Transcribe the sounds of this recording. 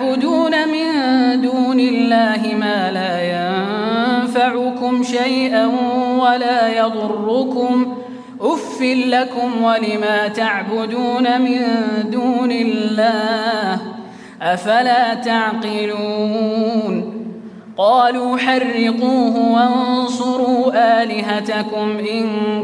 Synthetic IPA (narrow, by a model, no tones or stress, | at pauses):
bʊd̪uːnamɪnd̪uːnɪlːaːɦɪmaːlaːjanfaʕʊkʊmʃajʔanwalaːjɑd̪ˤʊrːʊkʊm | ʔʊfːɪlːakʊmwalɪmaːt̪aʕbʊd̪uːnamɪnd̪uːnɪlːaːh | ʔafalaːt̪aʕqɪluːn | qɑːluːħɑrːɪquːɦʊwannsˤʊɾuːʔaːlɪɦat̪akʊmʔɪn